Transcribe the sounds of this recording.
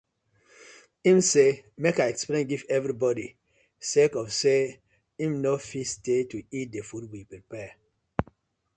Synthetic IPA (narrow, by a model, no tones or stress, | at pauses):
ĩmsemekaɪɛksplẽnɡivɛvɹibɔdi | sekɔfse | ĩmnofistetuit̚defud̚wipɹipɛ